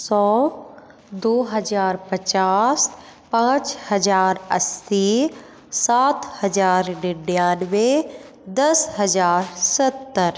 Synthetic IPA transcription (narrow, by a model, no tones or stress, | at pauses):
sɔː | d̪oːɦəd͡ʒaːɾpət͡ʃaːs | pãːt͡ʃhɐd͡ʒaːɾə̰si | saːt̪ʰhɐd͡ʒaːɾɖɪɖjaːnʋe | d̪ɐsɦəd͡ʒaːɾsət̪ːəɾ